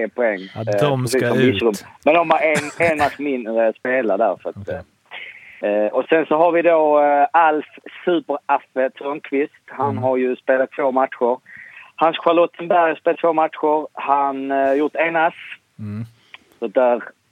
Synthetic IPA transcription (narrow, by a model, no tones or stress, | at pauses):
pʰɔɛŋːpʰɛsiːsːɔmvɪsɾɵmmɛnd̪ɔmaɾɛnenmasmɪnːɾəspeːlad̪æ̰ɾfəɾat̪ | ʔɔsɛnsɔɦaɾvɪd̪oːalfsʉ̟ːpəɾafət̪ʰɾɔnkʰvɪst̪hanɦaɾjɵspeːlat̪ʰːvoːmat̪ɧʊɾhansɧaɾlɔt̪ʰːənbæɾjspeːlat̪ʰvoːmat̪ɧʊɾhanjʊɾt̪enas | sɔd̪æɾ